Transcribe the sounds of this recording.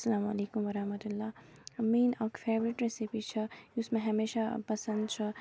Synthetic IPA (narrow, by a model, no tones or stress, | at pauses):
sɐlaːmalekumwɐɾɐhmɐt̪ulːamenʌkpʰebɾiʈɾesipit͡ʃʰʌjusmaɦɐmeʃapɐsənd̪t͡ʃʰʌ